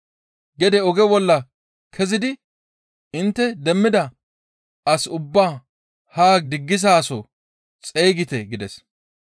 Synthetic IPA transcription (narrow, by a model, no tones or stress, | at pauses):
ɡɛd̪ɛɔɡɛbɔlːɐ | kʰɛzɪd̪ɪ | ɪnt̪ːɛd̪ɛmːɪd̪ɐ | ɐsʊbːaː | haːɡ̚d̪ɪɡːɪzaːsɔ̰ | t͡sʼejːɡɪt̪ɛɡɪd̪ɛs